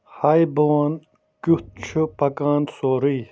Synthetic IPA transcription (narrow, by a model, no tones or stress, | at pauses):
hajboːn | kut̪̚t͡ɕʰupɐkaːnsoːɾiː